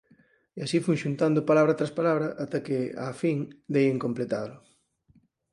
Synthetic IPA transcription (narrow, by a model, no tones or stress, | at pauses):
easifujʃunt̪and̪ʊpalaβɾɐt̪ɾaspalaβɾɐʔat̪ɐkɪa̰fiŋd̪ejeŋkomplet̪aðlʊ